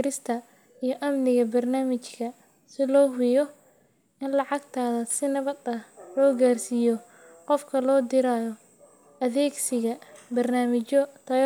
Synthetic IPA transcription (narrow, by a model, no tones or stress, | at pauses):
ɾɪst̪ʰɐ | ijɞʔɐmnɪɣɐbɐrnaːmɪt͡ʃkʰɐ | sɪlɔːɦʊjɔ | ɪnlɑʕɑɡt̪ʰaːðɐsɪnɐβɐd̪ɐlɔːɡaːrsijɔ | qɔfkʰɐlɔːd̪ɪɾaːjɔ | ʔɐðɛːɡsɪɣɐbɐrnaːmɪt͡ʃɔt̪ʰɐ